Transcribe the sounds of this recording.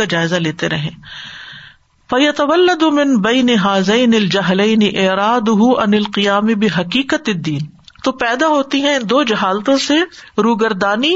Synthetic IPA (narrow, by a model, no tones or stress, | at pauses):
ad͡ʒaːɪzaleːt̪eɾɐɦḛ̃ː | fɐjɐt̪ɐʋɐlːɐd̪mɪ̃nbɛːniɦaːzɛːnɪɐld͡ʒɐɦlɛːnɪʔɪːɾaːd̪ʊɦuɐnɪlqɪjaːmɪbɪɦɐkiːqət̪ɪd̪ːiːn | t̪oːpɛːd̪aɦoːt̪iɦɛ̃ɪ̃nd̪oːd͡ʒɐɦaːlt̪õseɾuːɡɐɾd̪aːni